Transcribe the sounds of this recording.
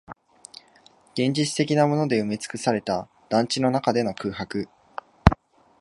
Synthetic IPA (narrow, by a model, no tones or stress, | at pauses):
ɡ̥ẽ̞ɲ̟d͡ʑit͡sɨ̥t̪e̞kʲinamo̞no̞d̪e̞ɯ̟mʲet͡sɨ̥kɯ̟saɾe̞t̪a | d̪̥ãɲt͡ɕino̞nakad̪e̞no̞kɯ̟ːɦakɯ̟